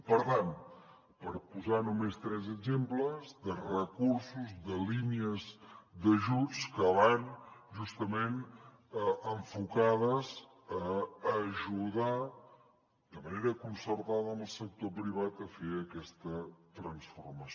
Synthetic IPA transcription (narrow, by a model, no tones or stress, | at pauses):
pəɾt̪an | pəɾpuzanumest̪ɾɛzəɡzempləzðərəkuɾsuzðəliniəzðəʒut͡skəβanʒust̪əmen | əəɱfukað̞əz | əː | ʒuða | d̪əməneɾəkunsəɾt̪aðəəməlˠsək̚t̪opɾiβ̞at̪əfeəkɛst̪ət̪ɾənsfurmə